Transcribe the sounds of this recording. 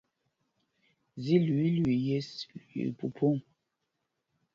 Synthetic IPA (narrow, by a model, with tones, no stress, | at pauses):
zi˦lɥi˦lɥi˨je˦ḭ˨pu˨pʰo˦ŋ